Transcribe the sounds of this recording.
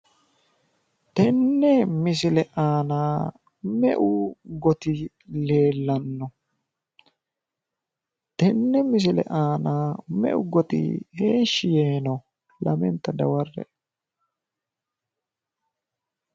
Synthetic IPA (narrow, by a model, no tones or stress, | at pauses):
t̪ɛnːɛmɪs̬ɪlɛʔaːnaː | mɛʔʊɡɔt̪ɪ | le̞ːlːɐnːɔ | t̪ɛnːɛmɪs̬ɪlɛ̰ʔaːnaːmɛ̰ʔʊɡɔt̪ɪ̰heːʃːɪjeːnɔ | lɐmɛ̰nt̪ːɐd̪ɐ̰wɐrːɛ̰